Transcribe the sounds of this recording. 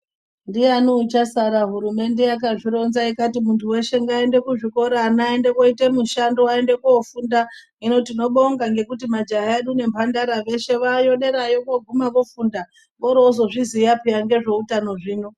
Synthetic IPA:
ndijanot͡ʃasaɾaɦuɾume̞nde̞jakaʐiɾo̞nzaikatimuntʰuwe̞ʃe̞ŋɡae̞nde̞kuʐiko̞ɾaːnaendekoitemuʃandoae̞nde̞kuofunda | ino̞tino̞ɓoŋɡaŋɡe̞kutimad͡ʒaɦaeɗune̞mpʰandaɾaʋe̞ʃe̞ʋajo̞ɗe̞ɾajokoɡʱumaʋofunda | ʋoɾoozo̞ʐizijapijaŋɡe̞ʐe̞utano̞ʐiːno̞

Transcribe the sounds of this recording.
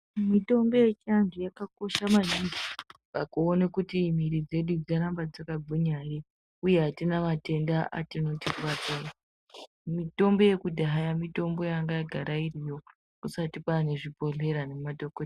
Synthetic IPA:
mito̞mbe̞jet͡ʃiandʱujakako̞ʃamaniŋɡipakuːnekutim̤iɾid͡ze̞ɗud͡zaɾambad͡zakaɡʱuɲaje | uje̞ɦatinamate̞ndaʔa̰tino̞tikuwatana | mito̞mbo̞je̞kudʱaɦajamito̞mbo̞jaŋɡajaɡʱaɾairijo̞ | kusatipwane̞ʐipo̞ɮe̞ɾane̞madokot

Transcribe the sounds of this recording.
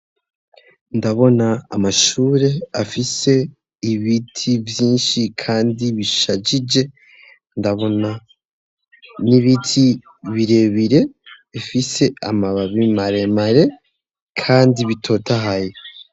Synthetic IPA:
ndaβo̞naːmaʃuːɾe̞afise̞ | iβitʰivjiːnʃikʰaːndiβiʃad͡ʒid͡ʒe̞ | ndaβo̞na | niβitʰi | βiɾe̞βiɾe̞ | ifise̞amaβaβimaɾe̞maɾe̞ | kʰaːndiβitʰo̞taɦaje

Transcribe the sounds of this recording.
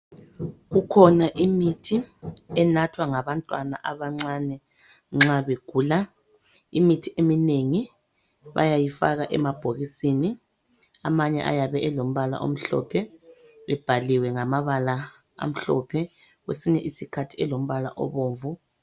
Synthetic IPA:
ɣukʰɔnaʔimitʰiɛnatʰwaŋaβantʼwana̰ʔaβaŋ͡ǀanɛ | ŋ͡ǁaβeɡ̥ʱuːla | imitʰiʔemineŋi | βa̰jajifa̰ɣaʔɛmab̥ʱoɣisini | a̰maɲɛ̰ʔa̰jaβɛɛlom̩βala̰ʔo̰m̩ɬɔ̰pʰɛ | βɛb̥ʱaliwɛŋamaβala | a̰m̩ɬɔpʰɛ | ɣwesiɲɛʔisikʰatʰi̥ɛlom̩βala̰ʔɔ̰βoːɱvu

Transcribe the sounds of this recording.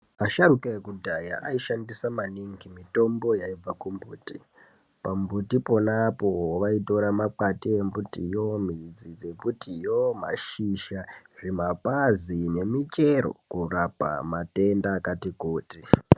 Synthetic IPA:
aʃaɾukaekudʱaja̰ʔaiʃandisamaniŋɡimito̞mbo̞jaib͡vakumbuːti | pambutipo̞napo̞ʋaito̞ɾamapatie̞mbutḭjo̞mid͡zid͡ze̞butijoma̰ʃiʃaʐimapazine̞mit͡ʃe̞ɾo̞̰kurapa̰mate̞ndakatikuːti

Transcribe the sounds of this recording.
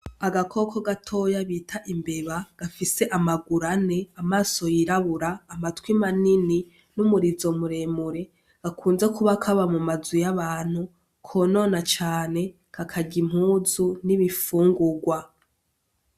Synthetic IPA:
aɡakʰo̞kʰo̞ɡatʰo̞jaβiːtʰaʔimbe̞βaɡ̥afise̞ʔamaɡuɾane̞amaːso̞jiɾaβuɾaːmatkwimanini | numuɾizo̞muɾe̞ːmuɾe̞ | ɡ̥akʰuːnze̞kuβakʰaβamumazujaβaːn̥hu | kʰono̞ːnat͡ʃaːne̞ | kʰakʰaɟim̥huːzuniβifuːŋɡuɡwa

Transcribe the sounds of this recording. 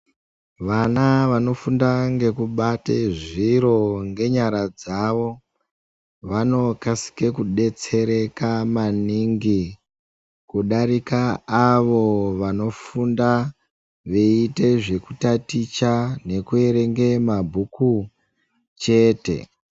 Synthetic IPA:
ʋanaʋano̞fundaŋɡe̞kuɓateʐiɾo̞ŋɡe̞ɲaɾad͡zaʋo̞ | ʋano̞kasi̥ke̞kuɗe̞t͡se̞ɾe̞kamaniŋɡi | kuɗaɾikaːʋo̞ʋano̞funda | ʋe̞ite̞ʐe̞kutatit͡ʃane̞kue̞ɾe̞ŋɡe̞mabʱuku | t͡ʃe̞ːte̞̰

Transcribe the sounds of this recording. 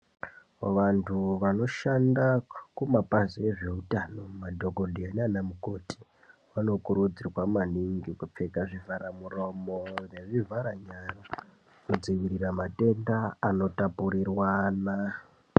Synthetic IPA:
ʋantʰuʋano̞ʃandakumapazieʐe̞utano̞madʱo̞ɡondiananamukoti̥ | wano̞kuɾud͡zirwamaniŋɡikup͡fekaʐivʱaɾamuro̞moneʐivʱaɾaɲara | kud͡ziʋiɾiramate̞ndaːno̞tapuɾirwana

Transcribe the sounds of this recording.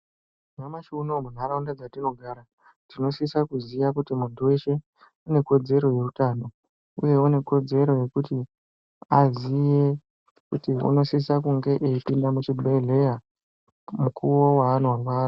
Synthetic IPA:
namaʃunomun̤aɾaundad͡zatino̞ɡʱaːɾa | tino̞sisakuziʋakutimuntuwe̞ʃe̞ | une̞ko̞d͡ze̞ɾo̞je̞rutaːno̞ | ṵje̞une̞ko̞d͡ze̞ɾo̞je̞kuti | azije | kutiṵno̞sisakuŋɡe̞ʔeipindamut͡ʃibʱeɮe̞ja | mukʰuwo̞waːn̤uwawaːra

